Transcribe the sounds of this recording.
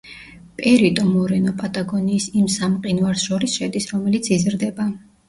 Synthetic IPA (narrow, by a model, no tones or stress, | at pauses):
pʼɛɾit̪ʼɔmɔɾɛnɔpʼat̪ʼaɡɔniːsimsamqʼinvaɾsʃɔɾisʃɛd̪isɾɔmɛlit̪sʰizɾd̪ɛba